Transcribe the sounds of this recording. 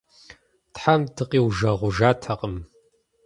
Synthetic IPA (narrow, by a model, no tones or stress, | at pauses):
tħamtʰɨqʼiːwʒɐʁʷʊʒaːtʰɐqʼəm